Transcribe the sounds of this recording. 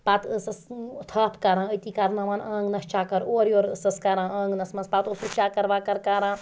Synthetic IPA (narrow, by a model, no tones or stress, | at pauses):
paːt̪ɨsɐst̪ʰɐːpʰkɐɾãːəjt̪iːkɐɾnɐʋaːnãːŋɡnɐst͡ʃaːkɐɾoːɾjoːɾɨsɐskɐɾãːɐ̃ːŋɡnɐsmɐnspaːt̪oːsut͡ʃaːkɐɾʋaːkɐɾkaɾãː